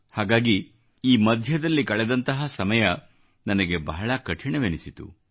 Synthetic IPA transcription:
haːɡaːɡi | iːmɐd̪ʱjɐd̪ɐlːikɐɭɛd̪ɐnt̪ɐɦɐsɐmɐjɐ | nɐnɐɡe̞bɐɦɐɭɐkɐʈʰiɳɐʋenisit̪ṵ

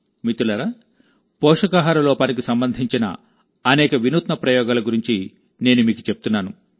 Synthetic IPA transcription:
mit̪ulɐɾa | pɔːʂɐkaːɦaːɾɐlɔːpaːnik̬isɐmbɐnd̪ʱiɲt͡ʃinɐ̰ | ɐnɛːkɐʋinuːt̪nɐpɾɐjɔːɡaːlɐɡuɾiɲt͡ʃi | ne̞ːnumiːku̥t͡ʃep̚ut̪unːaːnu

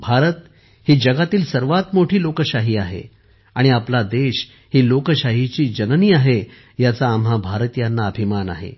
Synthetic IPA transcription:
bʱaɾət̪ | hiːd͡ʑəɡat̪iːlsəɾʋat̪moʈʰiːlokəɕaɦiːaɦḛ | aɽ̃iaplad̪eɕ | hiːlokəɕaɦit͡ɕiːd͡ʑənniːaɦe | jat͡saːmɦabʱaɾt̪ijanːaəbʱimana̰ɦḛ

